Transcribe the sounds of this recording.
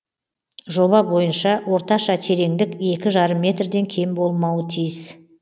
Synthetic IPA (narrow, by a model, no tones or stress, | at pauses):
ʒo̞bɑbo̞jənʃɑwo̞ɾt̪ɑʃɑt̪ʰe̞ɾe̞ŋd̪ɪkʲe̞kʲɪʒɑɾəmːʲe̞t̪rd̪e̞ŋkʲʰe̞jmbo̞lˠmɑwət̪ʰijɪs